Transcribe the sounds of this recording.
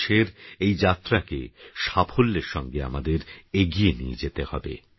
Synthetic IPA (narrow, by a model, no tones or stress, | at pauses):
ʃeɾejd͡ʑat̪ɾakḛʃafʰolːeɾʃɔŋɡea̰mad̪eɾeɡienijḛd͡ʑet̪ehɔbḛ